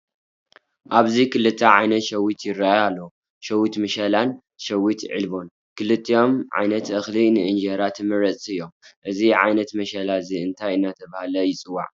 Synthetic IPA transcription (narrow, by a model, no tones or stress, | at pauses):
ʔaβzikʰɨlɨt̪ʰːɐʕajnɐt̪ʃɐwit̪ʰjɪɾːajalːo | ʃɐwit̪mɨʃɐlan | ʃɐwit̪ʕɨ̰lbo̞n | kʰɨlɨt̪ʰːijo̞mʕa̰jnɐt̪ʔɨxlinɨʔɨnd͡ʒɐɾat̪ʰɨmɨɾɐt͡sʼɨjːo̞mʔɨziʕa̰jnɐt̪mɐʃɐlaziɨnt̪ʰajɨnːat̪ʰɐβahlɐjɪt͡sʼɨwːa̰ʕ